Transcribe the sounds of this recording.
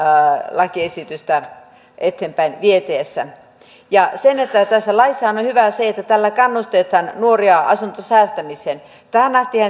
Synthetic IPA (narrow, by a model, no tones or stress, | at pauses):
lɑkiesit̪yst̪æ | ʔet̪ːeːmpæinʋiet̪eːsːæ̰ | jɑsenet̪ːæt̪æsːælɑisːɑhɑnonʲhyʋæseet̪ːæt̪ælːækɑnːust̪et̪hɑnnuoriɑʔɑ̰sunt̪osæːst̪æmisen | t̪æhænɑst̪ihæ